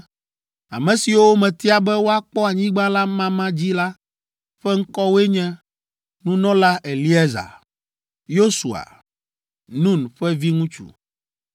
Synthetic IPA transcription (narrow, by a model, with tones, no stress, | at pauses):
a̰˨mɛ̃˨si˨wo˦mɛ̃˨t̪i˦a˨bɛ˦wo˦a˦k͡pɔ˦a˨ɲĩ˦ɡ͡bã˦la˦mã˦mã˦d͡ʑi˦la˦ | ɸɛ˦ŋ̩˦kɔ˦wo˦e˦ɲɛ̃˦ | nũ˦nɔ̃˦la˦ʔe˨li˦ɛ˦za̰˨ | jo˦sṵ˨a̰˨ | nũ˦˨nɸɛ˦vi˦ŋũ˦t͡ʃṵ˨